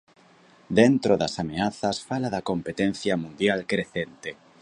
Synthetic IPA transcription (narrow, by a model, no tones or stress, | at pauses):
d̪ent̪ɾoðɐsameaθɐsfalaðɐkompet̪en̟θjɐmũnd̪jalkɾeθent̪e